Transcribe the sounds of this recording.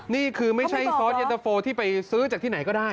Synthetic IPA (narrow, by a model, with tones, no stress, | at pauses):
niː˥˩kʰɯː˧ma˥˩t͡ɕʰa˥˩jsɔː˦˥t̪̚ʔe˧t̪a˧foː˧t̪ʰiː˥˩pa˧jsɯː˦˥t͡ɕa˨˩k̚t̪i˥˩a˩˦jkɔː˥˩daː˥˩j